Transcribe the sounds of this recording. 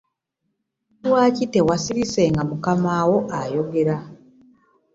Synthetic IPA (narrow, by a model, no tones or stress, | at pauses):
dwaːcite̞wasiɾise̞ːŋɡamukamaːwo̞ʔajo̞ɡe̞ɾa